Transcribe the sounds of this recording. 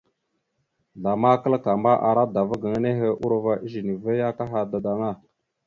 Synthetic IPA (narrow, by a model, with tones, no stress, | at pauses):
ɮa˨ma˦kə˦lka˨ma˦ʔa˨ɾa˦da˨və˦ɡə˨ŋ˦ne˦ɦə˦ʔu˦ɾva˦ʔi˦ʒi˨ni˨və˦ja˦ka˦ɦa˨da˨da˨ŋa˦˨